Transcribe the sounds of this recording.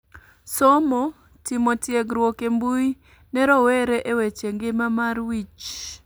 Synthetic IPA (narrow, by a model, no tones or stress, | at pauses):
sɔmo | timotjɛɡɾwokembuj | nɛɾɔweɾeʔewet͡ʃeŋɡemamaɾwit͡ʃ